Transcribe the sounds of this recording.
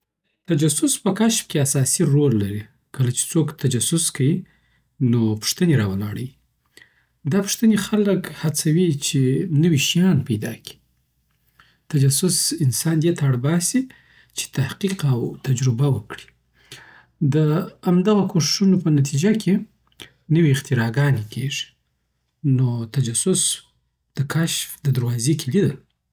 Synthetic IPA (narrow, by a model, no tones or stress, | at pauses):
t̪ad͡ʒasʊspəkaʃfkeasɑsiɾolːaɾi | kəlat͡ʃe̥t͡sokt̪ad͡ʒasʊskawi | nopʊ̥ʂt̪əneɾɑwəlɑ̰ɽəwi | d̪ɑpʊ̥ʂt̪ənexaləkhat͡sawit͡ʃenəwiʃijɑnpajd̪ɑ̰ki̥ | t̪ad͡ʒasʊsɪnsɑnd̪et̪aaɽbɑsi | t͡ʃe̥t̪ahqiqawt̪ad͡ʒɾʊbawəkɽi̥ | d̪əamd̪aɣakʰoʂɪ̥ʃunopənat̪ʰid͡ʒakʰe | nəwiɪqt̪ɪɾɑɡɑnekʰeʐi̥ | not̪ad͡ʒasʊs | d̪̥əkʰaʃfd̪əd̪əɾwɑzekʰelid̪əl